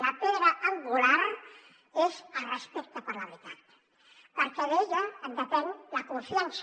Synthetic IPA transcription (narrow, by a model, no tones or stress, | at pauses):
lapeðɾaʔaŋɡulaɾ | ezarespɛkt̪apəɾlaβɾit̪at̪ | pəɾkeðeʎand̪epɛnlakuɱfjans